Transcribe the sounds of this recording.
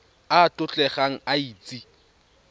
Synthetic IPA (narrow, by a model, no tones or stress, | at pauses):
aːtʼʊt͡ɬʼɛχaŋ̩aiːt͡sʼi